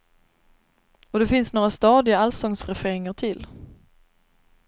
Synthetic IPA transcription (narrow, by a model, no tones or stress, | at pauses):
ɔd̪ɛfɪnsnoːɾast̪ɑːd̪ɪaalsɔŋsɾɛfeːɾɪŋaʈʰɪlː